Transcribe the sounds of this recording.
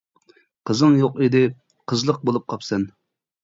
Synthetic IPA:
qʰəzɨŋjoqid̪ɪ | qʰəzlˠəq̚bolˠup̚qʰɑpsɛn

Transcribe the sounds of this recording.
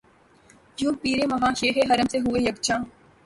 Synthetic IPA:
jũːpiːɾẽːmɐɦãːʃeːɦeːɦɐɾəmseɦʊeːjəkt͡ʃʰãː

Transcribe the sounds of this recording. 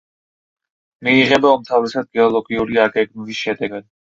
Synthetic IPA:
miːʁɛbaɔmt̪ʰavɾɛsad̪̚ɡɛɔlˠɔɡiuɾiaɡɛɡnilisʃɛd̪ɛɡad̪̥

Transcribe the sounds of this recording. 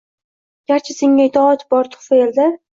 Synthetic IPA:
ɡ̥ʲaɾt͡ʃʰɪseŋːaɪt̪ʰɒɑt̪bɒɾt̪ʰʊ̥χfaeld̪a

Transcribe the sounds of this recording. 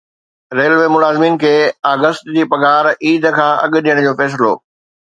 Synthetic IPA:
ɾeːlʋeːmʊlaːzmiːnkʰeːaːɡəst̪d͡ʑiːpɐɡaːɾiːd̪ʱkʰãːɐɠʊ̆ɗijəɽ̃d͡ʑoːfɛːs̬ɪlo̰ː

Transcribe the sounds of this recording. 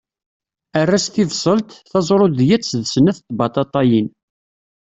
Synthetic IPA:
ərːæst̪ivsˤəlt̪θɑzˤɾˤoðjæt͡sːðsənæθt̪bɑt̪ˤɑt̪ˤɑjin

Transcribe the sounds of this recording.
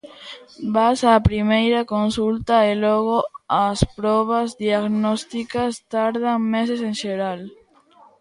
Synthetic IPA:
basaːpɾimejɾakonsult̪aelɔɣoaspɾɔβ̞azðiaɣnɔst̪ikast̪aɾð̞aŋmeseseŋʃeɾal

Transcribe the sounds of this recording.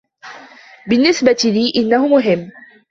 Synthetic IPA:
bɪnːɪsbat̪ɪliːʔɪnːahʊmʊɦɪmː

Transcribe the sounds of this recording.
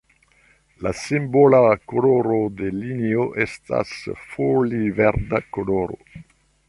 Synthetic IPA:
lasimbolakoloɾod̪elinioʔest̪a̰sfolivɛɾd̪akoloɾo̰

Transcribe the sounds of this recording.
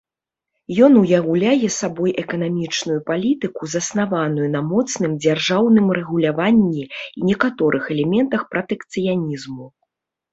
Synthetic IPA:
jɔnujaɣulʲajɛsabɔjʔɛkɐnamʲit͡ʂnujupalʲit̪ɨkuzɐsnavanujunɐmɔt̪sn̪ɨmd͡zʲarʐawnɨmrɛɣulʲavanʲːiinʲɛkat̪ɔɾʔɨxɛlʲɛmʲɛnt̪ɐxpɾɐt̪ɛkt̪sɨjanʲizmu

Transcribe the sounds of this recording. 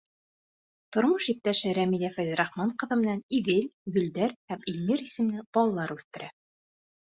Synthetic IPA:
t̪ŏɾmɤʃip̚t̪æʃɘɾæmilʲæfæjzɾɑχmɑɴqɤ̆ðɤ̆mɘ̆næniðɘlʲɡɵ̆ld̪æɾhæmilʲmiɾisɘ̆mnɘb̥ɒlˠɑlːˠɑɾʉθt̪ɘ̆ɾæ

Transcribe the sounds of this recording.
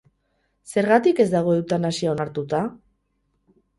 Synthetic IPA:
se̞ɾɣat̪ike̞zd̪aɣ̞o̞ewt̪anasiao̞naɾt̪ut̪a

